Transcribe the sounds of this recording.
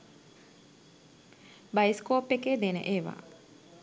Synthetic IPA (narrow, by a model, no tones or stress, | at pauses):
bajskoːpːekeːd̪enə̰ʔeːʋa̰ː